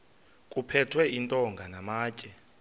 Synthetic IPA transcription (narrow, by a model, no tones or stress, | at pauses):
kʼupʰɛtʰwɛintʼɔŋɡʱanamaːcʼɛ